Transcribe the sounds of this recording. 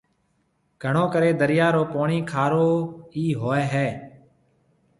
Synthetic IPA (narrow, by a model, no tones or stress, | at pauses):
ɡ̥ʱəɳõːkəɾeːd̪əɾɪjaːɾoːpoːɳiːkʰaːɾoːiːɦoːɛːɦɛː